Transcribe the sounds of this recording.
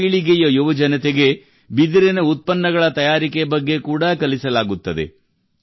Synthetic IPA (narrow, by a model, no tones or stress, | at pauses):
iɭiɡejɐjuʋɐd͡ʒɐnɐt̪eɡe̞ | bid̪iɾɛnɐut̪̚pɐnːɐɡɐɭɐt̪ɐjaːɾikebɐɡːe̞kuːɽɐkɐlisɐlaːɡut̪ːɐd̪e̞̰